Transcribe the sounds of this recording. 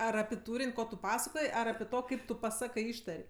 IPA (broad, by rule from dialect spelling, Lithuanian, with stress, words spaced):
ˈɐr ɐpʲɪ ˈtuːrʲɪnʲ ˈkoː tʊ ˈpɑːsɐkoːj ˈɐr ɐpʲɪ ˈtoː ˈkɐɪp tʊ pɐˈsɑːkɜ ˈɪʃtɐrʲ